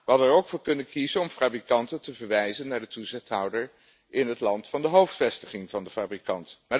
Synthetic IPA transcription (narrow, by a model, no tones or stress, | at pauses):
ʋəɦɑdənɛɹowkfʊːɹkɵnənkizənɔmfraːbrikɑntəntəvəɹʋɛjzənːaːɹdətuzɪχtɦʌwdəɹ | ɪnɦətlɑntfɑndəɦowftfɛstəχɪŋvɑndəfaːbrikɑntmaː